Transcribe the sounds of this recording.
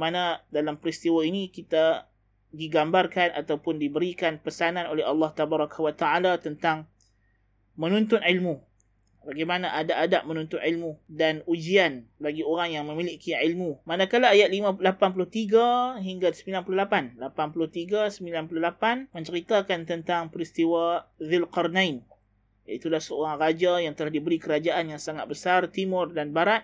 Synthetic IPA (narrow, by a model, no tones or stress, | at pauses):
manadalampəɾist̪iwainikit̪a | diɡambarkana̰t̪awpʊndibəɾikanpəsananolɛɦɑlːɑht̪abaɾɑkawat̪aalat̪ənt̪aŋ | mənũnt̪ʊnilmũ | baɡajmanaʔadaʔadaʔmə̃nũnt̪ʊnʕilmũdanud͡ʒianbaɡioɾaŋjaŋmə̃miliʔkiʕilmumanakalaːjat̪̚limãlapanp̬ulʊht̪iɡaɦiŋɡasəmbilanpululapanlapanpulʊht̪iɡasəmbilanpuluhlapanmə̃ɲt͡ʃəɾit̪akant̪ənt̪aŋpəɾist̪iwaðɪlqɔrnãin | jait̪ulahsəoɾaŋrad͡ʒajaŋt̪əlahdibəɾikəɾad͡ʒaʔanjaŋsaŋat̪̚bəsart̪imʊrdanbaɾat̪̚